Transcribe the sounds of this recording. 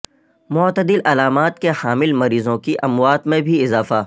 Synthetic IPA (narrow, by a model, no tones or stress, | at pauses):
mʊːt̪əd̪ɪlɐlaːmaːt̪̚kehaːmɪlmɐɾiːzõkiʔɐmwaːt̪mẽbʱiɪzaːfaː